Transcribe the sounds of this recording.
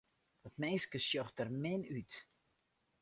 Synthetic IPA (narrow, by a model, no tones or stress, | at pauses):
ɔtmeːskəsjɔxtərmɪnyt